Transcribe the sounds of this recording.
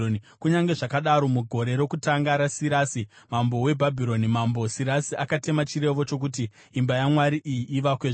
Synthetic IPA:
kuɲaŋɡe̞ʐakaɗaɾo̞muɡʱo̞ɾe̞ɾo̞kutaŋɡaɾasiɾaːsi | mambo̞we̞bʱabʱiɾo̞nimambo̞siɾasiʔakate̞mat͡ʃiɾe̞ʋo̞t͡ʃo̞k̬utiː | mbajamwaɾiʔijiʔːʋakweʐ

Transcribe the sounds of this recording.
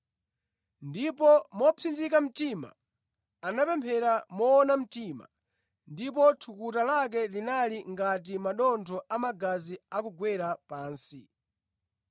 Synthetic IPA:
ndipɔmɔpʰind͡ʒikam̩tima̰ | anapɛmpʰɛɾamɔːnam̩tima̰ | ndip̬ɔtʰukutalak̬ɛlinaliŋɡat̬imaɗɔntʰɔʔamaɡaziakuɡwɛɾapaːnsi

